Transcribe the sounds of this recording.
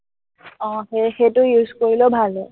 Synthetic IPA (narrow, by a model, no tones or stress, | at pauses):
ɔ̃xexetʊjuzkoɹilobʱalɛ